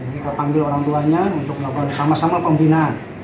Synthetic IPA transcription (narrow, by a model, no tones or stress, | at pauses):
it̪apaŋɡɪloɾaŋt̪uaɲaunt̪ʊk̚məlabarsamasamapəmbinan